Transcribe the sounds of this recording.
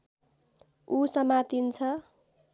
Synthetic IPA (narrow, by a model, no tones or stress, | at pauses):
usʌmat̪int͡sʰʌ